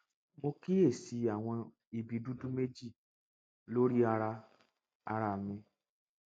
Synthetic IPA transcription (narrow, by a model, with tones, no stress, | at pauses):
mo˧ki˦e˦˨si˧a˨w̃ɔ̃˧ | i˨bi˨˧du˦du˦me˦d͡ʒi˦˨ | lo˦ɾi˦a˧ɾa˧ | a̰˧ɾa˧˨mĩ˧